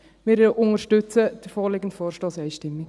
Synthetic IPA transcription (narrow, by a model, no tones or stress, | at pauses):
mɪːɾʊŋəɾʃtʏt͡səd̥əɾfɔːɾlɪɡən̩tfɔːɾʃtɔːsɛɪʃtɪmːi